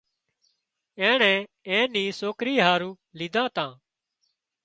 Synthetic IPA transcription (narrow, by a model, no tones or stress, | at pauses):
ɛ̃ːɳɛ̃ː | ɛ̃ːnĩːsoːkɾiːɦaːɾuː | liːd̪ʱãːt̪ãː